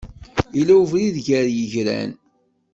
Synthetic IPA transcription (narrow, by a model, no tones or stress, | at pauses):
ilæwvliðʝəɾjəʝɾæ̰n